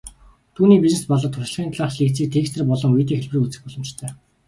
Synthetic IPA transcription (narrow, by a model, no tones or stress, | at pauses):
t̪ʰuːniːpʲiznespɔɮɞ̆t̪ʰːʊʃ̆ɮχʲiːnt̪ʰɮaːχʃɮiːkt͡sʰiːk̚t̪ʰeːkst̪ʰɘ̆rpɔɮɞ̆ŋiːt̪iːŋxeɮprɘ̆kut͡sɘ̆xuɮɘ̆mt͡ɕt̪ʰœː